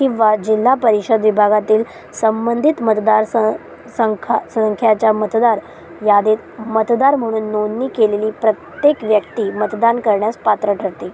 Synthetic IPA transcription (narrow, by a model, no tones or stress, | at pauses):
kĩʋad͡ʑilːapəɾiɕəd̪ʋibʱaɡat̪iːl | səmbənd̪ʱit̪mət̪d̪aɾsə | səŋkʰasəŋkʰjat͡ɕjamət̪d̪aɾ | jad̪et̪mət̪d̪aɾm̤əɽ̃uːnːonːiːkeleliːpɾət̪jekʋjəkt̪iːmət̪d̪ankəɾɳjaspat̪ɾəʈʰəɾt̪i